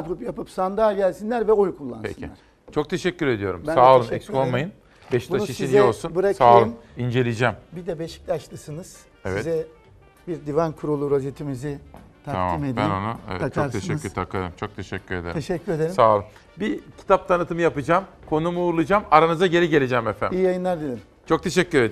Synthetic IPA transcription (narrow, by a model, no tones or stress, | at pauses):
pɾupjapɯpsand̪aɟælʲsinlʲæɾvɛojukʰulˠːanpḛscʰiaɾ | t͡ʃʰo̞k̚t̪ʰe̞ʃɛcʲːyɾe̞d̪ijo̞ɾumbsaːlˠɯmɛskonmajɯn | bɛʃi̥aʃiʃiniolˠsunbuɾasaːlˠɯmind͡ʒe̞lʲid͡ʒæmbid̪ɛbeʃi̥clʲaʃlˠɯsɯnɯz̥ | evɛizɛ | biɾd̪ivankʰuɾulˠuɾozet̪ʰimizit̪ʰaɾama̰mimed̪bænnonuḛvɛ̰t͡ʃʰot̪ʰeʃɛːyɾt̪ʰakaɯmt͡ʃʰo̞k̚t̪ʰe̞ʃɛcʰːyɾe̞d̪eɾeʃɛcːyɾed̪esaːlˠɯm | bicʰi̥t̪ʰap̚t̪ʰanɯt̪ɯmɯjapɯd͡ʒaːmkʰo̞numuːɾlˠud͡ʒamaɾanɯzaɟe̞ɾʲiɟe̞lʲed͡ʒɛmefæ̰ijijajɯnˠaɾd̪i | t͡ʃʰo̞k̚t̪ʰe̞ʃɛcʰːyɾed̪